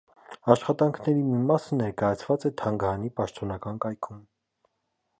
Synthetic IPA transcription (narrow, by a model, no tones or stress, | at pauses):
ɑʃχɑt̪ɑŋkʰnɛɾimimɑsənɛɾkɑjɑt͡sʰvɑt͡sɛt̪ʰɑŋɡɑɾɑnipɑʃt̪ɔnɑkɑnkɑjkʰum